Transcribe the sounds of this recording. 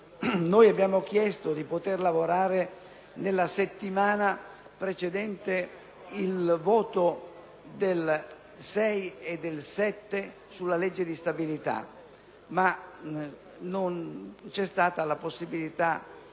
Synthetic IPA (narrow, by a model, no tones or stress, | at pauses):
nojabːjaːmokjɛst̪od̪ipot̪erlavoɾaːɾe | nelːaset̪ːimaːna | pɾet͡ʃed̪ɛnt̪e | ilvɔːt̪o | d̪el | sɛjed̪ːelsɛt̪ːe | sulːalɛd͡ʒːed̪ist̪abilit̪a̰ | ma | nont͡ʃɛst̪aːt̪alaposːibilit̪a